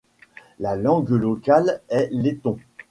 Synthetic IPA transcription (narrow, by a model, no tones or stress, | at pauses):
lalɑ̃ɡlɔkalɛlet̪ɔ̃